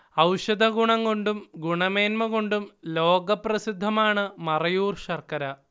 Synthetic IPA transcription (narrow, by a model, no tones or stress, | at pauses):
ɐwʂɐd̪ʱɐɡuɳɐŋko̞ɳɖumɡuɳɐmeːnmɐɣo̞ɳɖumlo̞ːɡɐprɐsid̪ʱːɐmaːɳɨmɐrɐjuːrʂɐrkɐɾɐ